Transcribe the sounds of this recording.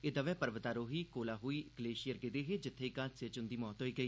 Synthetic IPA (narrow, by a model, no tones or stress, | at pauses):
ɪd̪əʋɛːpəɾʋət̪aːɾoːɦiːkoːlaːɦoiːɪɡəleːʃijəɾɡed̪eːɦeːd͡ʒɪt̪ʰːeːkaːd͡ʒsɪt͡ʃʊnd̪iːmɔːt̪ɦoːiːɡəiː